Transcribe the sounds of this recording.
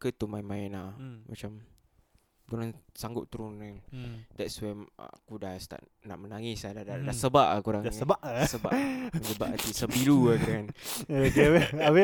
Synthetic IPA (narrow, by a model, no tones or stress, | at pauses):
kət̪umajmãɛnamat͡ʃam | t̪uɾansaŋɡʊʔ̚t̪uɾʊnɛŋdɛtswɛn̰akudast̪a̰ʔ | naʔmənaŋisadadadasəbaʔakuɾaŋsəbaʔsəba̰ʔəd͡ʒəba̰ʔat̪isəbilukəɾŋanokewɛawɛ